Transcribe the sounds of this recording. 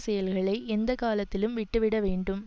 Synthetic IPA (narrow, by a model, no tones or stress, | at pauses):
sɛjɐlɣɐɭɐɪʔɛnd̪ɐkaːlɐt̪ːɪlɯmʋɪʈːɯʋɪɽɐʋeːɳɖɯm